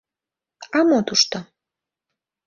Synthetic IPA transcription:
amot̪ʰuʃt̪a

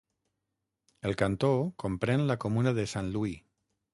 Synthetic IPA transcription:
elˠkant̪okompɾenlakomunaðesanlui

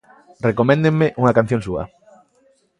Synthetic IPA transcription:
rekomɛ̃nd̪eŋmeʔuŋɐkan̟θjõŋsuɐ̰

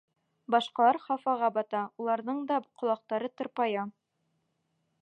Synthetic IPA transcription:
bɑʃqɑlˠɑɾχɑfɑʁɑbɑt̪ɑulˠɑɾðɤɴd̪ɑqŏlˠɑq̚t̪ɑɾɤt̪ŏɾpɑjɑ

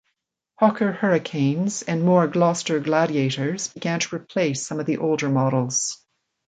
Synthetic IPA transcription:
hɑkʰə˞hɜ˞ɨkʰẽɪ̃nz̥ɨ̃nmɔɹɡlɑstə˞ɡlæɾieɪɾə˞z̥bɨɡæ̃ntʰəɹɨpʰl̥eɪsʌ̃mʌvðiʔoʊlˠdə˞mɑɾl̩ˠz̥

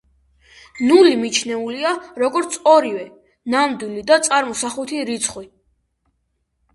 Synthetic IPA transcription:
nulimit͡ʃʰnɛuliaɾɔɡɔɾt̪sʰɔɾivɛ | nand̪wilid̪at̪sʼaɾmɔsaχut̪ʰiɾit̪sʰχwi

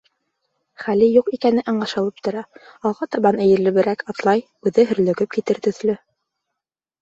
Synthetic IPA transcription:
χælijuqikænɘʔɑɴɢɑʃɤ̆lˠɤp̚t̪ŏɾɑɑlˠʁɑt̪ɑβɑnɘ̆jɘ̆ɾlɘ̆βɘ̆ɾækɑt̪lˠɑj | ʉðɘɦɵ̆ɾlɵ̆ɡɘp̚kit̪ɘɾt̪ɵ̆θlɵ

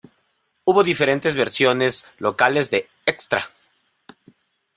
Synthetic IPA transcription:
uβo̞ðife̞ɾe̞nt̪ezβeɾsjo̞ne̞slo̞kale̞zðe̞ | ekst̪ɾa

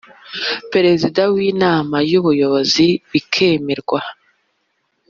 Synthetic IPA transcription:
pe̞ɾe̞zidawiːnaːmajuβujo̞βo̞ziβikʰeːmeɾɡwa

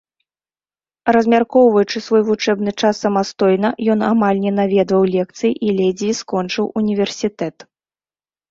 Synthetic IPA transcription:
rɐzʲmʲarkɔwvɐjut͡ʂɨsvɔjvut͡ʂɛbn̪ɨt͡ʂasːɐmast̪ɔjnɐjɔn̪amalʲnʲɛnavʲɛd̪vɐwlʲɛk̚t̪sɨjiʔilʲɛd͡zʲiskɔnt͡ʂɨwunʲivʲɛrsʲit̪ɛt̪

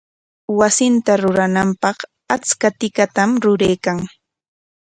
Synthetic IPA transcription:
wasɪnt̪aɾʊɾanampɑχ | at͡skat̪ɪkat̪amɾʊɾejkaŋ

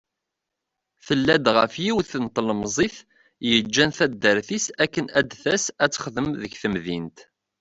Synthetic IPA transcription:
θəlːæd̪ʁəfjiwθənt̪ˤlmzˤiθ | jəd͡ʒːænθæd̪ːəɾθisækːənæd̪θæsæt͡sːə̥χðəmðəçθəmðint̪

